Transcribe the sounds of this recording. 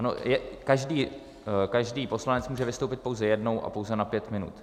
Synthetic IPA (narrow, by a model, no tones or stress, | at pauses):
ano̰jɛkaʒdiː | kaʒdiːpo̞slanɛt͡smuːʒɛvɪst̪owpɪt̪̚powzɛjɛdno̞wʔa̰po̞wzɛnapjɛt̪mɪnṵt̪